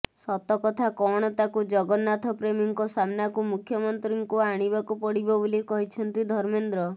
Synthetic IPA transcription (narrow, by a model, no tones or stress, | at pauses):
sɔt̪ɔkɔt̪ʰakɔɽ̃ɔt̪akud͡ʒɔɡɔnːat̪ʰɔpɾemiŋkɔsamnakumukʰjɔmɔnt̪ɾiŋkuaɽ̃ibakupɔɽibɔbolikɔɦit͡ʃʰɔnt̪id̪ʱɔɾmend̪ɾɔ